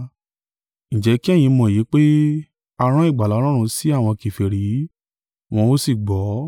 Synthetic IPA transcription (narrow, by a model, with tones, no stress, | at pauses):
ñ̩˨d͡ʒɛ˨˦ki˦ɛ˦˨j̃ĩ˧mɔ̃˧˨ji˨˦k͡pe˦ | a˧ɾ̃ã˦i˦˨ɡ͡ba˨la˨˦lɔ˦ɾ̃ũ˧si˦a˦˨w̃ɔ̃˧ki˨fe˨ɾi˨˦ | w̃ɔ̃˧o˦si˦˨ɡ͡bɔ˨˦